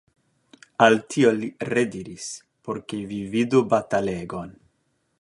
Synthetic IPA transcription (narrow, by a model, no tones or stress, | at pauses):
altʰioliɾediɾis | poɾkevividubataleɡon